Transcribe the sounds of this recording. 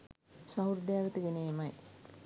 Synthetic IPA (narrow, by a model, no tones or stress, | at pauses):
saɦuɾd̪jaːʋət̪əɡeneːmɐj